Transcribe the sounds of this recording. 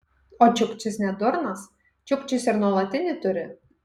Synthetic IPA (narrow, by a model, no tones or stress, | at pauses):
oːt͡ʃʲʊkt͡ʃʲɪsnʲɛd̪ʊɾnɐs | t͡ʃʲʊkt͡ʃʲɪsɪɾnuɔlˠɐt̪ʲɪnʲɪt̪ʊɾʲɪ